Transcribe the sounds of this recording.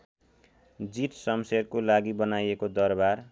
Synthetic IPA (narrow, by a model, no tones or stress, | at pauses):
d͡ziʈsʌmserkolaɡibʌnajekod̪ʌrbar